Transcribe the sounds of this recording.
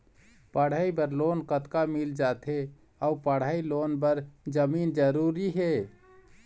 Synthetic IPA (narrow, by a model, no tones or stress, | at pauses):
pəɽ̤aibəɾloːnkət̪kamild͡ʒaːt̪ʰe | əupəɽ̤aːiloːnbəɾd͡ʒəmiːnd͡ʒəɾuɾiɦe